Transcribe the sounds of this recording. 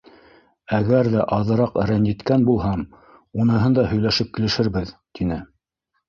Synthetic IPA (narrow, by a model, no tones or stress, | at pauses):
æɡæɾðæʔɑðɤ̆ɾɑqɘ̆ɾænjɘ̆t̪kænbulˠɦɑm | unɤ̆ɦɤnd̪ɑhɵ̆jlæʃɘp̚kɘ̆lɘ̆ʃɘ̆ɾβɘðt̪inɘ